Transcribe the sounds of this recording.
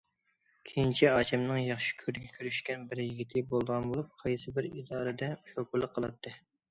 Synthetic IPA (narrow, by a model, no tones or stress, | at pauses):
kʲʰejint͡ʃʰiɑːt͡ʃʰɛmnɨŋjɑχʃi̥kʲʰøɾd̪ɪɡʲɛkʲʰyɾyʃkʲɛnbɪɾjiɡʲit̪ʰɪbolˠd̪əʁɑnbolˠup̚qʰɑjsɨbɪɾid̪ɑːɾɨd̪ɛʃokulˠːəqʰːəlˠɨt̪ʰːɨ